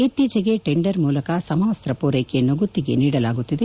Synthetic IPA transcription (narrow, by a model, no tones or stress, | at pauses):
it̪ːid͡ʒɐɡe̞ʈeɳɖɐɾmuːlɐkɐsɐmɐʋɐsɾɐpoːɾejkenoɡut̪ːiɡe̞̰niːɽɐlaːɡut̪ːid̪e